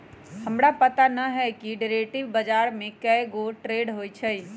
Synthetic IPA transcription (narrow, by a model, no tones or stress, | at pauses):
həmɾapət̪anəɦɛkiɖeɾeʈiʋbəd͡ʒaɾmẽkəɡoʈɾeɖɦojt͡ʃʰəj